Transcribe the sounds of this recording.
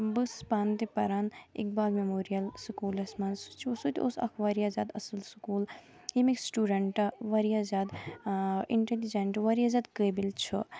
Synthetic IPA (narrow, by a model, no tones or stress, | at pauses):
bɨspaːnt̪ipɐɾanḭk̚baːlmemoːɾijɐlsukuːlɐsmansu̥t͡ʃʰiosut̪ʲo̰ːsɐ̰kʰʋaɾijazʲaːd̪ɐsɨlsu̥kuːl | imiksʈuɖeɳʈɐʋaɾijazʲaːd̪ | ḭɳʈelid͡ʒeɳʈʋaɾijazʲaːd̪kəbilt͡ʃʰu